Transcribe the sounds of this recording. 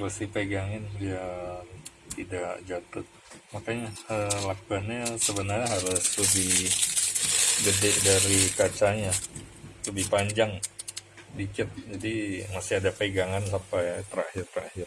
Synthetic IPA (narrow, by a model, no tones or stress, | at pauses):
bəsihpeɡaŋɪnbia | t̪idakd͡ʒat̪ʊt̚ | makaɲaəlakuanɲasəbənarɲaɦaɾʊsləbɪh | ɡədɛʔdaɾikat͡ʃaɲa | ləbɪhpaɲd͡ʒaŋ | bit͡ʃɪt̪̚d͡ʒadimasɪhɦadapeɡaŋansampajt̪əɾahɪrt̪əɾa̰hɪr